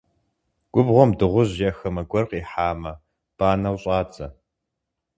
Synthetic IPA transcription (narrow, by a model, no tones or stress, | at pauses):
ɡʷʊbʁʷɔmdɨʁʷʊʑjɐxɐmɐɡʷɔrqiːħaːmɐ | b̥aːnɐwɕʼɑːt͡sʼɐ